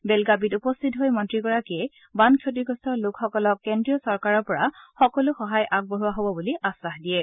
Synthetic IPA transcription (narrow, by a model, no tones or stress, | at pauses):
bɛlɡabitupɔstʰitɦojmɔntɹiɡɔɹakiɛ | bankʰot̬iɡɔstɔɹlʊkxɔkɔlɔkːendɹiɔsɔɹkaɹɔɹpɔɹaxɔkɔlʊxɔɦajʔak̚boɦuaɦobɔbuliʔasaɦdijɛ